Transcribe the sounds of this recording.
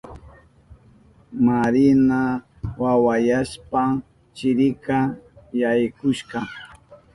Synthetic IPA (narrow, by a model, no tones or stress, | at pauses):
maɾɪna | wawajaʃpa | t͡ʃɪɾɪkajajkʊʃqɑ